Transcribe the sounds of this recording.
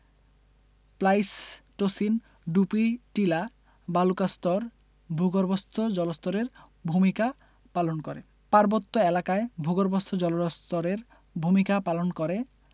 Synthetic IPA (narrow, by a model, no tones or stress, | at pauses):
plajsʈosin | ɖupiʈila | balukast̪oɾ | bʱuɡoɾbost̪ʰod͡ʑɔlost̪oɾeɾ | bʱumika | palonkoɾe | paɾbot̪ːoelakaebʱuɡoɾbost̪ʰod͡ʑɔloɾst̪oɾeɾ | bʱumikapalonkoɾe